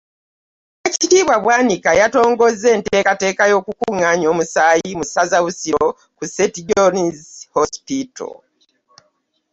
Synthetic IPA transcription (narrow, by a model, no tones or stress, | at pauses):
ecitiːβwaβwaːnikajato̞ːŋɡo̞zːe̞ːnteːkate̞ːkajo̞ːkukuŋaɲo̞ːmusaːjimusazaβusiɾo | kusetiɟonizhospito̰